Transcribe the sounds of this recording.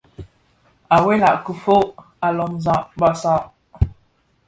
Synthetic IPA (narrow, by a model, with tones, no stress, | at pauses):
a˨we˦la̰˨ʔku˨fo˦ʔ | a˨lɔ˨mzã˦ʔba˦sa˦ʔ